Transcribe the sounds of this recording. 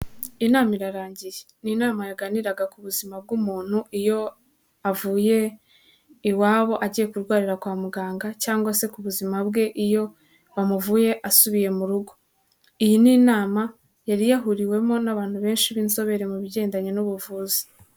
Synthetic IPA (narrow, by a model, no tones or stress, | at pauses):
inaːmiɾaɾaːɲɟijeninaːmajaɡaniɾaɡakuβuzimab̚ɡumuːn̥huʔijo̞ | avuːje̞ | iwaːβo̞ʔaɟije̞kuɾɡwaːɾiɾakwaːmuɡaːŋɡacaːŋɡwase̞kuβuzimabɡe̞ʔijo̞ | βamuvuːje̞ʔasuβije̞muɾuɡo̞ | ijininaːma | jaɾijaɦuɾiwe̞mo̞naβaːn̥huβe̞ːnʃiβiːnso̞βe̞ɾemuβiɟe̞ːndaɲenuβuvuːzi̥